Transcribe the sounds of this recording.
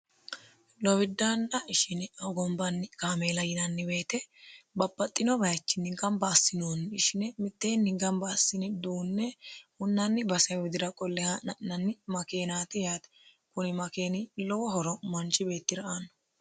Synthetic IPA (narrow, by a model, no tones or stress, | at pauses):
lɔwɪd̪ːaːnːɐɪʃɪnɪɐɡɔmbɐnːɪkaːmeːlɐjɪnɐnːɪbe̞ːt̪ɛbɐbːɐt̪ʼːɪnɔbɐjt͡ʃːɪnːɪɡɐmbɐːsːɪnoːnɪʃɪnɛmɪt̪ːeːnːɪɡɐmbɐːsːɪnɪd̪uːnːɛhʊnːɐnːɪbɐsɐwɪd̪ɪɾɐkʼɔlːɛhɐnːɐnːɪmɐkeːnaːt̪ɪjaːt̪ɛ̥ | kʊnɪmɐke̞ːnɪlɔwɔɦɔɾɔmɐnt͡ʃːɪbe̞ːt̪ːɪɾɐʔanːɔ